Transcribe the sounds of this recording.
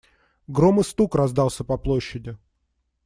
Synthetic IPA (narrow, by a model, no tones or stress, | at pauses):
ɡɾomɨst̪ukrɐzd̪ɑlˠsʲəpɐplˠoɕːɪdʲɪ